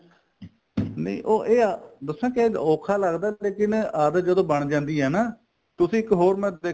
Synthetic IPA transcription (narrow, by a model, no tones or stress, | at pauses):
nḛʔoːʔeːd̪əsãːkɪeːɔːkʰaːləɡd̪aːleːkɪnəːd̪d͡ʒəd̪õːbəɳd͡ʒãːnd̪iːɦɛːnaː | t̪ʊsĩːɪkɦoːɾmɛ̃ːeː